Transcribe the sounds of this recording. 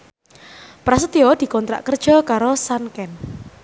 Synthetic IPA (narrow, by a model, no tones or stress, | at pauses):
pɾas̬ət̪iod̪̥i̤kɔnt̪ɾa̰ʔkərd̥ʒ̥ɔ̤kaɾosankɛn